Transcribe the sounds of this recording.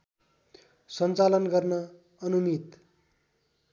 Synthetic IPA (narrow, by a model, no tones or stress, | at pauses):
sʌnt͡salʌnɡʌrnʌ | ʌnumit̪